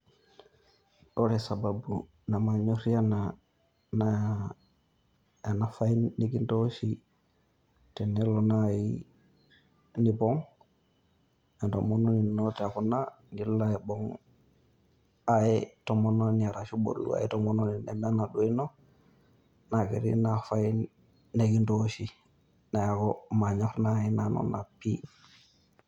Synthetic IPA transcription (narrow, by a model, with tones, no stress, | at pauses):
ɗoɾɛsa˨babu | na˨ma˨ɲo˦ɾi˦a˦na | na | ja˨nafainːi˦ki˦ntoʃi | tɛ˨nɛ˦lɔnai | nipɔ˦ŋ | a˨nto̰monɔni˨nota˨kuna˦ | ni˦la˦i˨bo˦ŋ | a˨je˦to˨mo˦no˦ni˨a˨ɾa˨ʃu˦bo̰˨ɾlṵ˦a̰˨je˦to˦mo˦no˦ni˨nɛ˨me˦na˨ɗu˨˦i˦no˦ | na˨kḭ˨ɾḭ˦na˨fa˦i˦ | ne˨ki˦nto˦ʃi˨ | na˨ja˨koma˨ɲa˦ɾna˦˨i˦na˨no̰˨na̰˨pi˦